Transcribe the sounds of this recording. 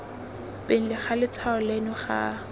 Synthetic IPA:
pʼen̩lɪχalɪt͡sʰaʊlenʊχa̰

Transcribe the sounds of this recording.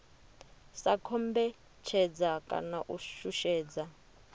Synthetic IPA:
sakʰɔmbɛ | t͡ʃʰɛd͡zakʼa̰naʔuʃuʃɛːd͡za

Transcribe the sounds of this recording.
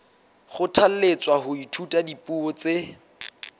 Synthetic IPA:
χʊtʰal̩let͡sʼwaɦʊitʰutʼadipuɔt͡se

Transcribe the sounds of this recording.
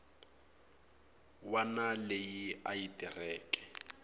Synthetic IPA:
wanalejiaitʼirɛːkʼɛ̥

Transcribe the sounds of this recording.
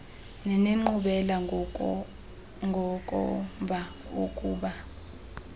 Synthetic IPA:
nɛneŋ͡ǃuɓɛla | ŋɡʱɔkʼɔ̰ɱvʱa | okʼuːɓa

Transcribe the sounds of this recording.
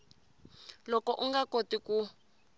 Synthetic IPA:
lɔkɔʔuŋɡakotiku

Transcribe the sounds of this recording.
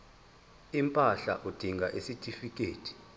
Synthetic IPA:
impʼaɬa̰ʔud̥ʱiŋɡʱaʔesitʰʼifik̬ʼeːtʰi̥

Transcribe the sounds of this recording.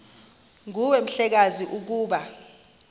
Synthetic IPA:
ŋuwɛm̩ɬɛk̬aziʔuk̬uːɓa

